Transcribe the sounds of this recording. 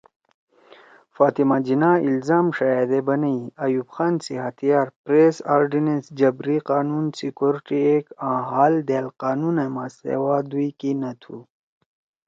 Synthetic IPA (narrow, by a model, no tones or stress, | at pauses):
faːt̪imad͡ʑinailzaːmʂajaːd̪ebɐnɐjiɐjuːbxaːnsiɦɐt̪ʰijaːɾpɾeːsaːɾɖinensd͡ʑɐbɾiqaːnunsikoɾiʈiekãːɦaːld̪elqaːnunemasḛwaːd̪uikinɐt̪ʰu